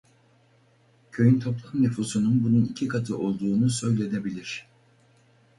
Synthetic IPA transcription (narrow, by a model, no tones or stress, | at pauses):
cʰø̞jynt̪ʰo̞plˠamnyfuːsununbununicʰikʰat̪ʰɯʔo̞lˠd̪uːnusø̞jlʲe̞d̪e̞bilʲiɾ̝̥